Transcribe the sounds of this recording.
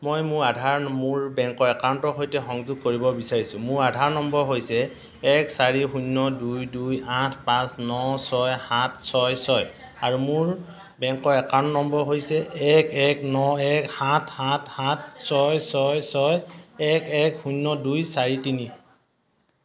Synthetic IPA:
mojmʊɹadʱaɹmʊɹbɛŋkɔɛkaɹntɔɦojtɛxɔŋzʊɡ̚koɹibɔbisaɹisʊ̃mʊɹadʱaɹnɔmbɔɹɦojsɛ | ɛksaɹixunːɔdujdujãtʰpãsnɔsɔjhatʰsɔjsɔj | aɹumʊɹ | bɛŋkɔɛkantnɔmbɔɹɦojsɛʔɛkɛknɔɛkhatʰhatʰhat̚sɔjsɔjsɔjɛkɛkxunːɔdujsaɹitini

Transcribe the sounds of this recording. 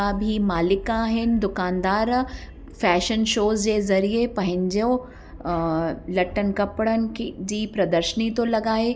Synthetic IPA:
bʱimaːlɪkaɦɛnd̪ʊkaːnd̪aːɾ | fɛːʃənʃoːzd͡ʒezɐɾiepɐɦɪ̃ɲd͡ʒo | lɐʈːənkɐpɽənkd͡ʒiːpɾɐd̪əɾʃənit̪olɐɡaːe

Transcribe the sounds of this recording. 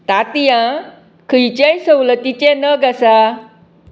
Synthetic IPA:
t̪at̪ijã | kʰəjt͡ɕajsəwlət̪it͡ɕenəɡasa

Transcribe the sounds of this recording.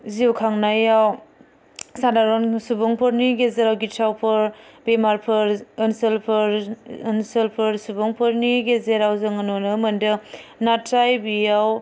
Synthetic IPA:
ziwkʰaŋnajaw | sadaɾɔnsubɔŋpʰɯɾniɡezeɾawɡitʰawpʰɯɾbemaɾpʰɯɾɯnselpʰɯɾənselpʰɯɾsubɔŋpʰɯɾniɡezeɾawzɯŋɯnɔnɯmɐndɯnatʰːajbijaw

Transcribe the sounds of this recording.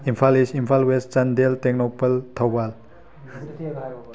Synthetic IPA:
impʰalisimpʰalwestɐndeltek̚nopɐltʰɐwbal

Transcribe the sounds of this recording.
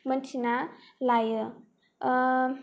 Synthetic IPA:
mənt͡ʃʰinalajə

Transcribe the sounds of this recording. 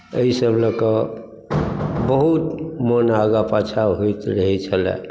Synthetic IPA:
əisəbləkə | bəɦut̪monaɡapat͡ʃʰaɦojt̪ɾəɦɛt͡ʃʰəlɛ̰̃

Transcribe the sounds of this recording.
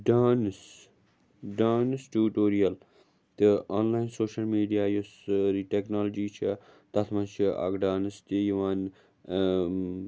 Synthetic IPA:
ɖaːns | ɖaːnsʈuːʈoːɾijɐl | t̪iaːnlaːjnsoːʃɐlmiːɖijaːjosɾiːʈeknaːlːd͡ʒiːt͡ʃʰit̪ɐt̪ʰmɐnt͡ʃʰiɐ̰ɡɖaːnɨst̪ijiʋaːn

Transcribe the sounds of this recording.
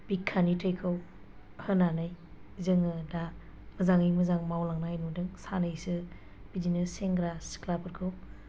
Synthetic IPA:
b̥ikʰːanitʰəjkʰɯw | hɯnanɯj | zɯŋɯda | mɐzaŋɯjmɐzaŋmawlaŋnajnudɯŋsanɯjsɯ | b̥idinɯseŋɡɾasi̥kʰlapʰɯɾkʰɯw

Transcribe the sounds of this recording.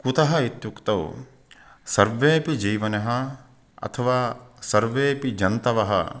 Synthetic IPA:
kut̪ɐɦɐit̪jukt̪ɐw | sɐɾʋeːpid͡ʒiːʋɐnɐɦɐ̆ | ɐ̰t̪ʰɐʋaːsɐɾʋeːpid͡ʒɐnt̪ɐʋɐɦɐ̰

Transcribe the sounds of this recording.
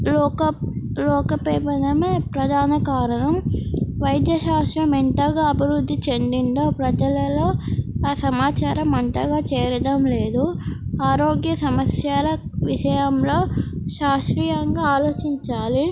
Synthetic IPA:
ɔkɐlɔːkɐpeːpɐd̪ɐmeːpɾɐd̪ʱaːnɐkaːɾɐɳɐmʋɐjd̪jɐʃaːst̪ɾɐmeɳʈɐɡaːɐbʱiʋɾud̪ʱːit͡ʃe̞nd̪ind̪oːpɾɐd͡ʒɐlɐloːaːsɐmaːt͡ʃaːɾɐmɐɳʈɐɡaːt͡ʃeːɾɐd̪ɐmle̞ːd̪uaːɾoːɡjɐsɐmɐsjaːlɐʋiʃɐjɐmlo̞ːʃaːʂɾiːjɐŋɡaːaːlo̞ːt͡ʃiɲt͡ʃaːli

